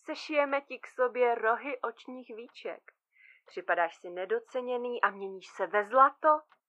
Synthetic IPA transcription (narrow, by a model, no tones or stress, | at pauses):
sɛʃɪjɛmɛcɪksobjɛɾo̞ɦɪʔo̞t͡ʃɲiːxviːt͡ʃɛ̰k | pr̥ɪpadaːʃsɪnɛdo̞t͡sɛɲɛniːʔamɲɛɲiːʃsɛvɛzlat̪o